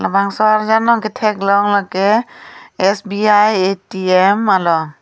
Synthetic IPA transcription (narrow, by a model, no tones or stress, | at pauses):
labaŋsɔaɾzanɔketʰɛklɔŋlɔkeː | sbiajetiemalɔ